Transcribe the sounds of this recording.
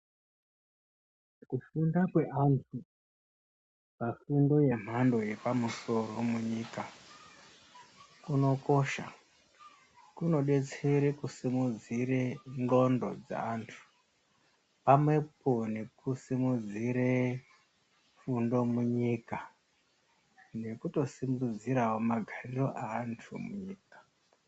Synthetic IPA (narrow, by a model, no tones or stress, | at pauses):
kufundakwe̞antʰu | pafundo̞je̞m̤ando̞je̞pamuso̞ro̞muɲiːka | kuno̞ko̞ʃa̰ | kuno̞ɗe̞t͡seɾekusimud͡ziɾeŋɡo̞ndo̞̰d͡za̰ːntʰu̥ | pamwe̞p̚one̞kusimud͡ziɾe | fundo̞muɲika | nekuto̞simbud͡ziɾawomaɡʱariro̞ʔaːntʰumuɲiːkḁ